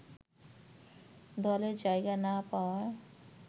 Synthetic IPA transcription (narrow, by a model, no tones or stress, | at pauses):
d̪ɔːled͡ʒaːeɡanapaːɾ